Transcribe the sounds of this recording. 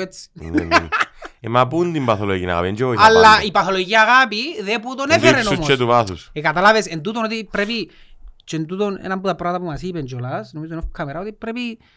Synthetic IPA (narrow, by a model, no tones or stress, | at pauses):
et͡s | emapund̪impaθoloɣina̰a̰piend͡ʒojalːaipaθolojɣiaɣapiðeput̪onefeɾenoumt͡ʃːet̪uβaθusekat̪alaβesent̪̬ut̪onot̪ipɾepi | t͡ʃent̪ut̪onḛnamput̪apɾat̪apumasipend͡ʒolasnomit̪nofkʰameɾaot̪ipːɾepi